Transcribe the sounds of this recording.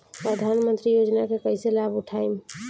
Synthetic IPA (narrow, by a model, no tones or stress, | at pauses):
pɾəd̪ʱanmənt̪ɾijod͡ʒnakekəɪselabuʈʰam